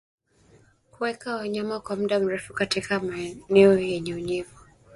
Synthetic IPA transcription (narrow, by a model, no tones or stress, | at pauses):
kuwɛkawaɲamakwamuɗam̩ɾɛfukatikamanɛɔjɛɲɛuɲɛvɔ